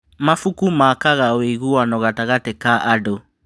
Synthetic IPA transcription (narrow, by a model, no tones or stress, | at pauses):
mafukumaːkaɣaweɣuwanɔɣataɣatɛkaʔado